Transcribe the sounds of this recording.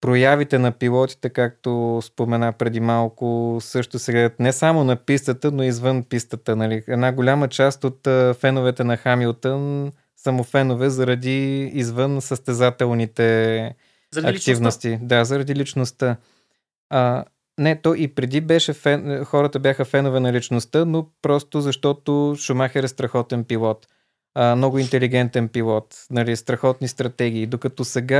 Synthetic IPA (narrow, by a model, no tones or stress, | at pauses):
pɾojavit̪ɛnɐpilˠɔt̪i̥t̪ɛkak̚t̪ospomɛnapɾɛd̪imalˠkʊsɤʃt̪osɛɡlɛd̪ət̪nɛsamonɐpist̪ət̪ənoizvɤnpist̪ət̪ənɐliɛd̪naɡolʲamət͡ʃast̪ot̪əfɛnovɛt̪ɛnɐxamilˠt̪ən | sɐmofɛnovɛzɐɾɐd̪iːzvɤnsəst̪ɛzat̪ɛlˠnit̪ɛ | ɐkt̪ivnost̪id̪azɐɾɐd̪ilit͡ʃnost̪ə | ə | nɛt̪ɔʔipɾɛd̪ibɛʃɛfɛnxɔɾət̪əbjaxəfɛnʊvɛnɐlit͡ʃnost̪ənopɾɔst̪ʊzɐʃt̪ɔt̪oʃʊmaxɛɾɛst̪ɾɐxɔt̪ɛnpilˠɔt̪ | əmnɔɡʊint̪ɛliɡɛnt̪ɛnpilˠɔt̪nɐlist̪ɾɐxɔt̪nist̪ɾɐt̪ɛɡ̟ʲiːd̪okɐt̪ɔsɛɡa